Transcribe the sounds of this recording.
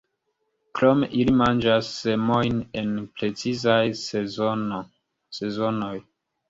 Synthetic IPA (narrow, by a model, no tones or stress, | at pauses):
kɾo̞me̞̰ʔilimand͡ʒasːe̞mo̞jne̞npɾe̞t͡sizajen | se̞zono̞j